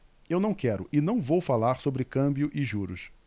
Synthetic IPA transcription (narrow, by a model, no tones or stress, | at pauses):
ewnɐ̃w̃kɛɾʊʔɪnɐ̃w̃vowfalaɾsobɾɪkɐ̃bjʊʔɪʒuɾʊs